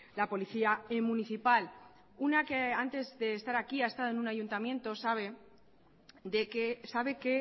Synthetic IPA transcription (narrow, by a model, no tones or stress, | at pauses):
lapo̞liθiaemũniθipal | unakeant̪e̞zðe̞ːst̪aɾakiaest̪aðoe̞nũnaʝunt̪amje̞nt̪o̞saβe̞ | d̪ekesaβe̞ke̞